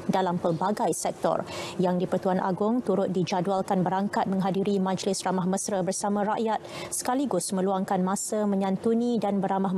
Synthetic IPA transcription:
dalampərbaɡajsɛk̚t̪ɔ̰rjaŋdipərt̪uanʔa̰ɡʊŋt̪uɾʊt̪̚did͡ʒadualkanbəɾaŋkat̪̚mə̃ŋɦadiɾimãd͡ʒlɪsramahməsɾəbərsamãɾaʔjat̪̚sə̥kaliɡʊsmə̃luaŋkanmãsəmə̃ɲãnt̪unĩdanbəɾamah

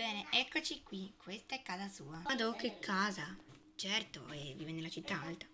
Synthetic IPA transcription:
b̥ɛːneʔɛkːot͡ʃikwikʰwest̪aɛkːaːzasuːaad̪ɔkːekʰːaːza | t͡ʃɛrt̪o̰evivɛnːelat͡ʃit̪ːaalt̪ḁ

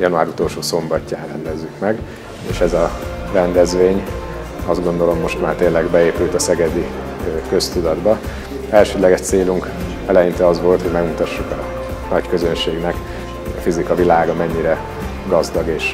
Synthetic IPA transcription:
jɒnuaːɾut̪o̞lʃoːso̞mbɒcːaːnrɛnd̪ɛzːykmɛɡ | eːʃɛzɒrɛnd̪ɛzʋeːɲ | ɒzd̪ɡo̞nd̪o̞lo̞mːo̞ʃt̪maːrt̪eːnlɛɡbɛeːpylt̪ɒsɛɡɛd̪i | kø̞st̪ud̪ɒd̪bɒ | ɛlʃøːd̪lɛɡɛʃt̪seːluŋk | ɛlɛjint̪ɛɒzʋo̞lt̪ho̞ɟmɛɡmut̪ɒʃːukɒ | nɒckø̞zønʃeːɡnɛk | ɒ̰fizikɒvilaːɡɒmɛɲːiɾɛ | ɡɒzd̪ɒɡeːʃ

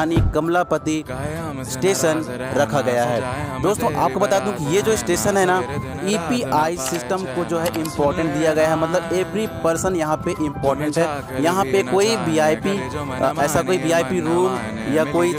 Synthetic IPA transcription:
anikɐmlapət̪i | sʈeːʃən | ɾɐkʰaɡɐjaɦɛ̰ːd̪oːst̪õʔa̰ːp̚kobɐt̪aːd̪eɦũkijed͡ʒoːɪsʈeːʃənɦɛna | iːpiʔaːisɪsʈəmkod͡ʒoːɦɛʔɪ̃mpɔːɾʈə̃ɳʈ̚d̪ijaɡɐjaɦɛmɐt̪ləbeːʋɾipɐɾsənjɐɦãpeʔɪ̃mpɔːɾʈə̃ɳʈɦɛː | jɐɦãpekoːibiːaːpiɛːsakoːibiːaːɪpiɾuːm | jakoːi

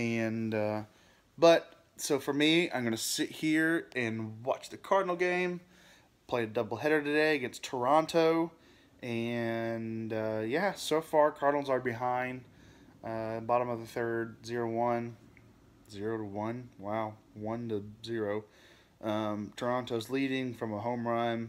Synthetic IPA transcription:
ɨ̃nʌ | bʌt̚ | soʊfə˞miã̰ɪ̃mɡʌnɨsɪt̚hiɹɨ̃nwɑ̰t͡ʃðɨkʰɑɹdⁿn̩l̩ˠɡẽɪ̃m | pʰl̥eɪɨdʌbl̩ˠɦɛɾə˞ɾɨdeɪɨɡɛ̃nstʰə˞ɑ̃ntʰoʊ | ʔɨ̃nʌjæsoʊfɑɹkʰɑɹdⁿnl̩ˠzə˞bɨɦãɪ̃nd | ʔʌbɑɾə̃mʌvðɨθɜ˞d̚zɪɹoʊwʌ̃n | zɪɹoʊɾəwʌ̃nwaʊ | wʌ̃ntɨzɪɹoʊ | ʔʌ̃mtʰə˞ɑ̃ntoʊzliɾɪ̃ŋfɹʌ̃məɦõʊ̃mɹãɪ̃m

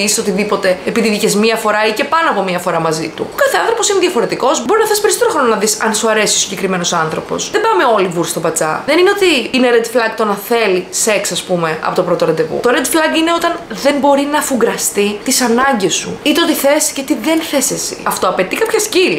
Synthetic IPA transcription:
isisot̪iðipo̞t̪e̞ːpiðiðicezmiɐfo̞ɾɐice̞pɐnoɐpo̞miɐfo̞ɾɐmɐzḭt̪ṵokɐθeɐnθɾo̞po̞sineðjɐfo̞ɾe̞t̪iko̞zbo̞ɾinɐθespeɾist̪eɾoxɾononɐðisɐnsuɐɾe̞sio̞siɲɟekɾime̞no̞sɐnθɾo̞̰po̞̰sðebɐmeo̞livuɾst̪o̞bɐt͡sɐ̰ðenineo̞t̪iineɾed̪flɐɡt̪o̞nɐθelise̞ksɐspume̞ɐ̰po̞t̪opɾo̞t̪oɾɐnd̪evṵt̪o̞ɾed̪flɐɡine̞ot̪ɐnðe̞mbo̞ɾinɐfuɡɾɐst̪it̪isɐnɐɲɟesṵit̪eot̪iθe̞scet̪iðe̞nθesesḭɐft̪o̞ɐpe̞t̪ikɐpçɐscili

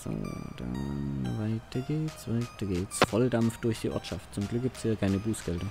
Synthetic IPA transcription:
z̥o̰ːd̥a̰nvaɪtʰɐɡeːtsv̥aɪtɐɡeːtsfɔldamft̚d̥ʊɐçd̥iːʔɔ̰ɐtʃaft̚t͡sʊmɡlʏk̚ɡ̥iːp̚tshiːɐkʰaɪnəbuːsɡ̥ɛldɐ

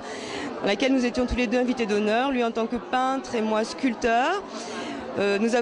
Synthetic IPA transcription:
d̪̥ɑ̃lakʲɛlnuzet̪jɔ̃t̪uled̪øɛ̃vit̪ed̪ɔnœʁlɥiɑ̃t̪ɑ̃kəpɛ̃t̪χemwaskʲylt̪œːʁ | ønuza

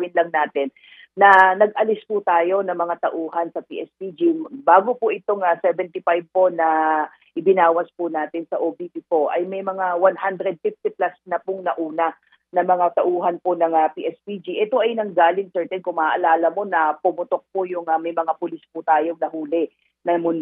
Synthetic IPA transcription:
ɪnlɐŋnaːt̪ɪnː | ɐnɐɡ̚ʔɐlɪspʊt̪aːjo̞nɐŋmɐŋat̪ɐʔuːɦɐnsɐpḭːʔɛspid͡ʒibaːɡopʊʔɪt̪oŋasɛvɛnt̪ɪfajb̚po̞nɐ | ʔɪbɪnaːwɐspʊnaːt̪ɪnsɐʔobipikoʔɐjmɐjmɐŋawanhand̪ɾɛd̪̚fift̪iplasnɐpʊŋnɐʔuːnɐ | nɐmɐŋat̪ɐʔuːɦɐnponɐŋapiʔɛspid͡ʒiʔɛt̪o̞ʔɐjnɐŋɡaːlɪŋsɛɹt̪ɛnkʊŋmɐaʔɐlaːlɐmo̞nɐpʊmʊt̪o̞k̚pojʊŋamɐjmɐŋapʊlɪspʊt̪aːjo̞ŋnɐɦuːlɛ | nɐmʊn

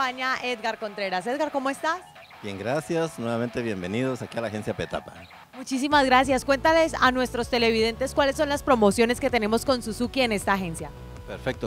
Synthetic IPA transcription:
aɲaʔeðɡaɾko̞nt̪ɾe̞ɾaseðɡaɾko̞moe̞st̪as | bje̞ŋɡɾasjasnwe̞βame̞nt̪eβje̞mbe̞niðosakialaxe̞nsjapet̪a̰pa | mut͡ʃisimazɡɾas̬jaskwe̞nt̪ale̞sanwe̞st̪ɾo̞st̪e̞le̞βiðe̞nt̪e̞skwalesːo̞nlaspɾo̞mo̞sjo̞neske̞t̪ene̞mo̞sko̞nsusukie̞ne̞st̪aːxe̞nsja | peɾfek̚t̪o

